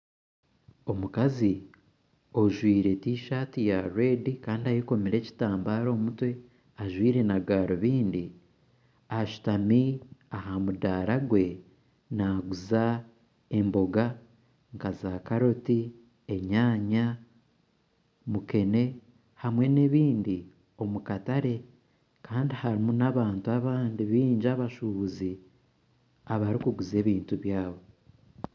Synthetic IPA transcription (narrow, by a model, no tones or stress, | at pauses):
o̞mukazi | oʒwiːɾe̞tiʃaːtijaɾe̞ːdikaːndiajeko̞miɾe̞ːci̥taːmbaːɾo̞ːmutwe̞ | aʒwiːɾe̞naɡaːɾoβiːndi | aʃu̥tamiaɦamudaːɾaɡwe̞ | naɡuza | e̞mbo̞ɡa | ŋkazaːkaɾo̞ti | eɲaːɲa | muke̞ne̞ | hamwe̞ne̞βiːndi | o̞mukataɾe̞ | kaːndihaɾimunaβaːntuaβaːndiβiːɲd͡ʒaβaʃuβuzi | aβaɾikuɡuze̞ːβiːntuβjaːβo̞